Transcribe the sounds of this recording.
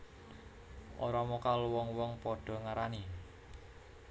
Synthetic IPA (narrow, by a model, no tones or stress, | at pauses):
ʔoɾɔmɔkaluwɔŋwɔŋpɔɖ̥ɔ̤ŋaɾani